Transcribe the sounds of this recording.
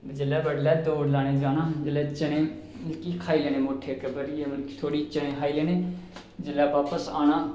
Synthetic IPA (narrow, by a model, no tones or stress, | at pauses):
d͡ʒɪlːɛːbəɽlɛːd̪oːɽlaːneːd͡ʒaːnãːd͡ʒɪlɛːt͡ʃənẽː | məlkiːkʰaːiːleːnẽːmoːʈʰːeːkəbəɾieməlki̥ːt̪ʰoːɽiːt͡ʃənẽːkʰaːileːneː | d͡ʒɪlɛːbaːpəsaːnaː